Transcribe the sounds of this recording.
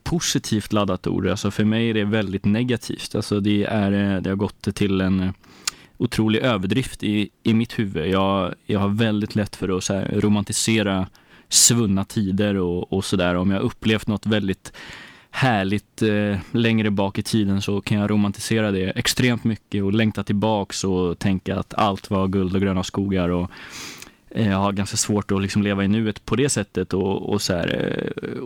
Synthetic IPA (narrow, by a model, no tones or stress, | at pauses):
pʰʊsɪt̪ʰiːft̪lad̪ːat̪ṵːɖa̰lsɔfœɾmɛjæɖɛvɛld̪ɪt̪nɛɡat̪ʰḭːft̪ʰa̰lsɔd̪ɛæɾd̪ɛhaɾɡɔt̪ːʰɪlɛn | ʊt̪ʰɾuːlɪɡøːvəɖɾɪft̪ɪːmɪt̪hʉ̟ːvəjɑːɡjɑːɡhaɾvɛld̪ɪt̪ʰlɛt̪ːfœɾɔsæːɾɾʊmant̪ɪseːɾa | svɵnːat̪ʰiːd̪əɾɔɔsɔd̪æːɾɔmjaːhaɵpːleːft̪nɔt̪ːvɛld̪ɪt̪ | hæːɭɪt̪lɛŋɾəbɑːkɪt̪ʰiːd̪ənsɔkʰanjaɾʔʊmant̪ɪseːɾad̪ɛɛkst̪ɾeːmt̪mʏkːəɔlɛŋt̪at̪ʰɪlbɑːksɔt̪ʰɛŋkaa̰t̪ʰa̰lt̪vaɾɡɵld̪ɔɡɾøːnaskuːɡaɾɔ | haɾɡanskasvoːʈɔlɪksɔmleːvaɪnʉ̟ːət̪pʰɔd̪ɛsɛt̪ːət̪ɔɔ̰sɔæ̰ːɾ